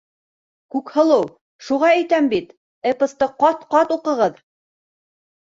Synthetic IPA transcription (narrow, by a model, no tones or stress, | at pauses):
kʉkhɤ̆lˠɤw | ʃuʁɑæjt̪æmbit̪ | ɘ̆pɤ̆st̪ɤqɑt̪qɑt̪uqɤ̆ʁɤð